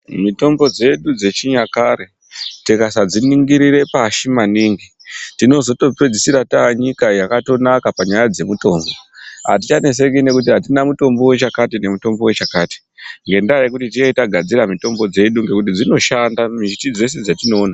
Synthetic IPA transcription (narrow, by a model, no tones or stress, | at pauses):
mito̞mbo̞d͡ze̞ɗud͡ze̞t͡ʃiɲakaɾe | tikasad͡ziniŋɡiɾiɾe̞paʃimaniŋɡi | tino̞zo̞to̞pe̞d͡zisiɾataɲikajakato̞nakapaɲajad͡ze̞muto̞ːmboɦa̰tit͡ʃane̞s̬e̞kine̞kut̬iɦatinamuto̞mbo̞wet͡ʃakatine̞muto̞mbo̞we̞t͡ʃakaːti̥ | ŋɡe̞ndajekutitieitaɡʱad͡ziɾamito̞mbo̞d͡ze̞ɗuŋɡe̞kut̬id͡zino̞ʃandamiʒitid͡ze̞s̬e̞d͡zatino̞ːna